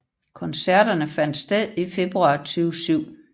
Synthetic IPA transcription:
kʰɒ̽nsæɐ̰ɾ̥ɐnəfæn̰d̥sd̥eð̰ˠife̝b̥ʁuɑ̈t͡sʰyːʊsyʊ̰

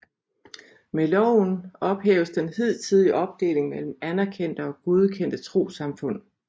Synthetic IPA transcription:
melɒʊ̰nɒ̽b̥hɛ̰ːʊəsd̥enhið̰ˠt͡sʰiðˠiʔɒ̽b̥̚d̥e̝̰ːle̝ŋmel̰m̩ænæɐkʰen̰d̥əɒ̽ɡ̥oð̞ˠkʰen̰d̥ət͡sʰʁo̝̰ːsɑ̈mfɔ̽n̰

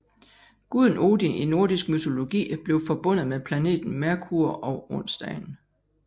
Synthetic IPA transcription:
ɡ̥uð̞ˠn̩o̝ːd̥iʔino̝ɐd̥isɡ̥myt͡sʰo̝lo̝ɡ̥ḭːb̥le̝ʊfɒ̽b̥ɔ̽n̰ð̞̩ˠmepʰlæne̝̰ːd̥n̩mæɐkʰuɐʔɒʊɔn̰sd̥ɛɪn

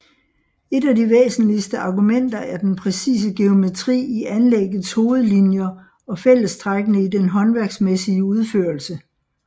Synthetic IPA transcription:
e̝dæd̥iʋḛːsn̩lisd̥əɑ̈ɡ̥umen̰d̥ɐæɐd̥enpʰʁɛsḭːs̬əɡ̥e̝o̝me̝t͡sʰʁḭːiænleɡ̥ð̩ˠsho̝ːð̞̩ˠlinjɐ | ɒ̽fel̰əsd̥ʰʁaɡ̥ənəidenɦɒ̽nʋæɐɡ̥smesiəuð̞ˠføːɐlsə

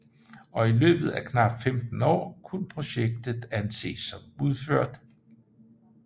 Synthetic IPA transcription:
ʔɒ̽ilø̰ːb̥ð̞̩ˠækʰnɑ̈b̥femd̥n̩ɒ̰ːkʰunpʰʁo̝ɕeɡ̥̚d̥ð̩ˠænse̝̰ːsːɒ̽muð̞ˠføɐ̰d̥

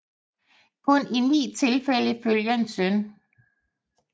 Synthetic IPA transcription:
kʰɔ̽ninḭːt͡sʰe̝lfel̰əføljɐe̝nsœn

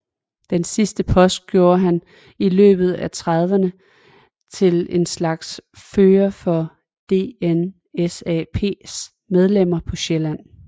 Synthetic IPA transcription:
d̥ensisd̥əpʰɒ̽sd̥̚ɡ̥jo̝ːɐɦæn | ilø̰ːb̥ð̞̩ˠæt͡sʰʁɑð̞ˠʋənə | t͡sʰe̝le̝nslɑ̈ɡ̥sføːɐfɒ̽ | d̥e̝̰ːen | esɛ̰pʰe̝̰ːs | með̞ˠlem̰ɐpʰɒ̽ɕelæn̰

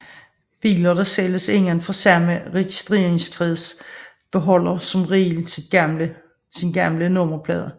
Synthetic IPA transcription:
b̥ḭːlɐd̥ɑ̈seləse̝ŋ̰lænfɑ̈sæməʁɛɡ̥isd̥ʁe̝ːɐeŋskʰʁɛðˠs | b̥e̝ɦɒ̽l̰ɐsɒ̽mʁiːl | sinɡ̥ɑmlənɔm̰ɐpʰlɛːðˠɐ

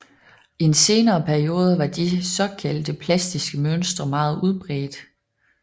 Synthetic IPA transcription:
iense̝ːnɐːpʰæɐio̝ːð̞ˠəʋɑ̈d̥isɒ̽kʰæl̰d̥əpʰlæsd̥isɡ̥əmøn̰sd̥ʁɐmɑ̈ːð̞̩ˠuð̞ˠb̥ʁɛ̰ːd̥

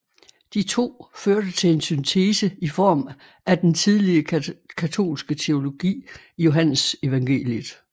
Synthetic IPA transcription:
d̥it͡sʰo̝̰ːføɐd̥ət͡sʰe̝le̝nsynt͡sʰeːsəifɒ̰ːm | ʔæd̥ent͡sʰið̞ˠliəkʰæt͡sʰo̝̰ːlsɡ̥ət͡sʰe̝o̝lo̝ɡ̥ḭː | ijo̝ɦænəse̝ʋɑ̈ŋɡ̥e̝̰ːljəðˠ

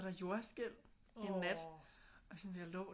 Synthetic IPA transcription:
ɾ̥ɑ̈jo̝ɐsɡ̥el̰ | enːæd̥ɒsɔnd̥eɐlɔ

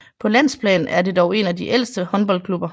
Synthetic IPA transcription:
pʰɒ̽læn̰spʰlɛ̰ːnn̩æɐde̝d̥ɒʊe̝nædiʔel̰sd̥əhɒ̽nb̥ɒ̽l̰kʰlub̥ɐ

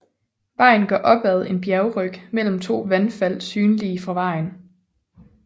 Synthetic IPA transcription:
ʋɑ̈ɪ̰n̩ɡ̥ɶɐʔɒ̽b̥æð̞̩ˠe̝nb̥jæɐʊʁœɡ̥mel̰m̩t͡sʰo̝̰ːʋænfæl̰syːnliːfʁɑ̈ʋɑ̈ɪn

